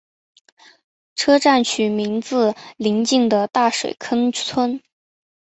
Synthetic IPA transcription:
ʈ͡ʂʰɤ˥ʈ͡ʂa˥˩nt͡ɕʰy˨˩mi˧˥ŋt͡sɹ̩˧li˧˥ŋt͡ɕi˥˩ŋd̪ə˩t̪a˥˩ʂwḛ˨˩ɪkʰə˥nt͡sʰwə˥n

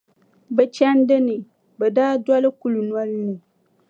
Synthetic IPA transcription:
bɛ˨t͡ʃa˦n˦dɪ˦nɨ˨ | bɛ˨daː˦dwa˦lɨ˦ku˦lu˨nwa˦lnɨ˨

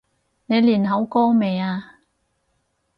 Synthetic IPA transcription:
ne˨˧jliː˨˩nɦɐ˨˥wkɔː˥me˨˧jaː˧

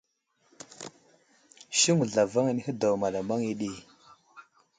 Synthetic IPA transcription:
ʃi˦ŋu˨ɮa˨va˦ŋa˨ni˦hə˦da˨wma˨la˨ma˦ŋi˦ɗi˦˨

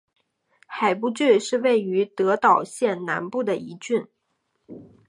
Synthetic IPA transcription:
xa˨˩ɪp̬u˥t͡ɕy˥˧ʂɻ̩˥˧we˥˩ɪy˧˥t̪ɤ˧˥t̪ɑ˨˩ʊɕjɛ˥˩nna˧˥npu˥˩d̪ə˩i˧˥t͡ɕy˥˩n

